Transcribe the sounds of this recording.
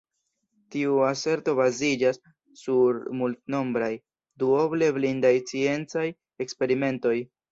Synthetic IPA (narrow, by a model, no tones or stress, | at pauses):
tiuase̞ɾto̞bazid͡ʒasː | uɾmultno̞mbɾaj | duo̞ble̞blindajt͡sie̞nt͡saj | e̞kspe̞ɾime̞nto̞j